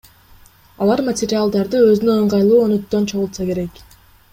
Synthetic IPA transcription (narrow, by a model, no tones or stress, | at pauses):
ɑlˠɑɾmɐtʲɪɾʲɪalˠd̪ɑɾd̪ɯø̞zynøoɴʁɑjlˠuːonyt̪ːø̞nt͡ʃʰo̞ʁulˠsɑke̞ɾe̞k